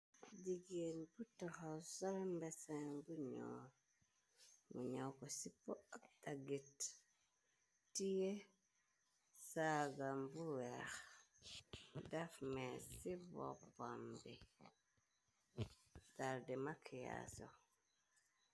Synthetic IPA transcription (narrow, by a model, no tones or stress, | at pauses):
d͡ʒiɡenbutahasaɾmbɛsambuɲo̰ɾ | muɲawkosipoak̚taɡit | tːije | saɡambuwɛx | dafmesivo̰pambi | taɾdɛmakʰija̰so